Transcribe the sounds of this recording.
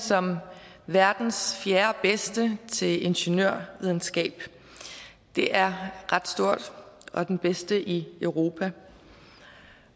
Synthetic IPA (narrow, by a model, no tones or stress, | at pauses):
sɒ̽m | ʋæɐd̥n̩sfjæːɐb̥esd̥ət͡sʰe̝le̝nɕenøɐ̰ʋið̞ˠn̩sɡ̥ɛ̰ːb̥ | d̥e̝ʔæɐʁɑ̈d̥sd̥o̝ɐ̰d̥ɒ̽d̥enb̥esd̥əʔiœʊʁo̝ːpʰæ